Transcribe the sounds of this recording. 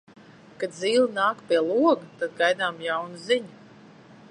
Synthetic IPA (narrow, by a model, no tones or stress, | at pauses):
kad̪ziːlˠinaːkpʲiɛlˠuɔɡat̪ad̪̚ɡajd̪aːmjawnuziɲu